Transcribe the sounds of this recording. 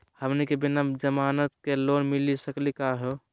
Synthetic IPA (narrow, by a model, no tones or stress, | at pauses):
həmnikebinad͡ʒəmaːnət̪kelonmilisəklikaɦɛ